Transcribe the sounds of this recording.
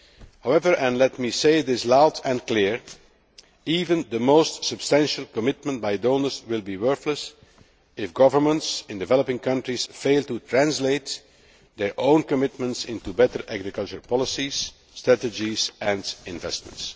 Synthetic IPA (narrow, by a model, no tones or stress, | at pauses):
hawɛvə˞ʔɛ̃nlɛt̚miseɪðɪslaʊdɛ̃nklɪɹ | iːvə̃nd̪əmoʊstsəbstæ̃nʃəl̩ˠkɔmɪt̚mə̃nt̚baɪdõʊnə˞zwɪlˠbiwɜ˞θləs | ɪfɡʌvə˞mə̃ntsɪ̃ndɪvɛləpɪ̃ŋkʌ̃ntɹisfeɪlˠtutʰɹæ̃nsleɪt | d̪ɛɹʔõʊ̃nkɔmɪt̚mə̃ntsɪ̃ntubɛtəɹʔæɡɹɪkʌlˠt͡ʃəɹpɑlˠɪsiz̥ | stɹætəd͡ʒizɛ̃ndɪ̃nvɛ̰st̚mə̰̃nts